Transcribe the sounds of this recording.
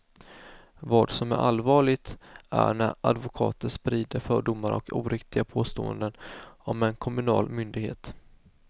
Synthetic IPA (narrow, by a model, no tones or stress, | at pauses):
vɑːd̪sɔmæ̰ɾʔalvɑːɭɪt̪ʔæ̰ɳæɾa̰d̪vʊkʰɑ̰ːt̪ənspɾiːd̪əɾfœːɖʊmːaɾɔkʰuːɾɪkt̪ɪɡapʰoːst̪o̰ːə̰nd̪ənɔmɛnkʰɔmɵnɑ̰ːlmʏnd̪ɪɡhḛːt̪